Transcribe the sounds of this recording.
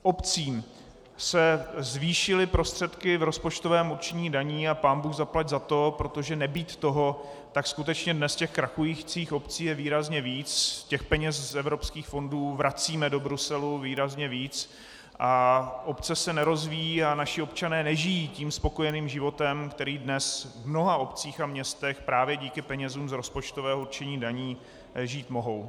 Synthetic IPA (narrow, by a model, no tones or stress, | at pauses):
ʔo̞pt͡siːm | sɛzviːʃɪlɪpɾo̞st̪r̝̥ɛt̪kɪvɾo̞spo̞t͡ʃt̪o̞vɛːmuɾt͡ʃɛɲiːdaɲiːapaːnbuːɣzaplaɟzat̪o̞pɾo̞t̪o̞ʒɛnɛbiːt̪ːo̞ɦo̞ | t̪akskut̪ɛt͡ʃɲɛdnɛscɛxkɾaxujiːxt͡siːxo̞pt͡siːjɛviːɾazɲɛviːt͡scɛxpɛɲɛszɛvɾo̞pskiːxfo̞nduːvɾat͡siːmɛdo̞bɾusɛluviːɾazɲɛviːt͡s | ʔaʔopt͡sɛsɛnɛɾo̞zvijiːanaʃɪo̞pt͡ʃanɛːnɛʒɪjiːciːmspo̞ko̞jɛniːmʒɪvo̞t̪ɛmkt̪ɛɾiːdnɛsvmno̞ɦao̞pt͡siːxamɲɛst̪ɛxpɾaːvjɛɟiːkɪpɛɲɛzuːmzɾo̞spot͡ʃt̪ovɛːɦouɾt͡ʃɛɲiːdaɲiː | ʒiːt̪mo̞ɦo̞w